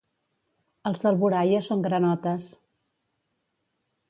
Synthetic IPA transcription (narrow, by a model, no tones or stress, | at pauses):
əlˠzðəlˠβuɾajəsːoŋɡɾənɔt̪əs